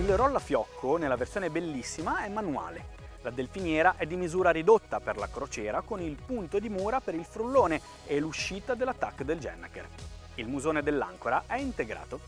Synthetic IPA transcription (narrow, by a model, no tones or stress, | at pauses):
ilɾɔlːafjɔkʰːonelːaversjoːnebelːisːimaɛmːanua̰ːle | lad̪elfinjɛːɾaʔɛd̪ːimizuːɾaɾid̪ot̪ːaperla̰kɾot͡ʃɛːɾakonilpunt̪od̪imuːɾapeɾilfɾulːoːne | eluʃːiːt̪ad̪elːat̪ːakːd̪eld͡ʒɛ̰nːa̰kḛr | ilmuzoːned̪elːa̰ŋkoɾaʔɛint̪eɡɾa̰ːt̪o